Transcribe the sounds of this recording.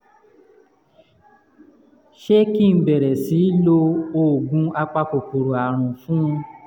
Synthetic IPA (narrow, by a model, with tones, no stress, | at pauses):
ʃe˦ki˦˨˧bɛ˨ɾɛ˨si˨˦lo˧o˦˨ɡũ˧˦a˧k͡pa˧ko˨k͡po˨ɾo˨a˨ɾ̃ũ˨fũ˦˧